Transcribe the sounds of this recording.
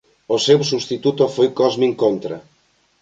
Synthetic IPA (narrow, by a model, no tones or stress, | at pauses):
osewsuβst̪it̪ut̪ofojkɔzmĩŋkont̪ɾɐ̰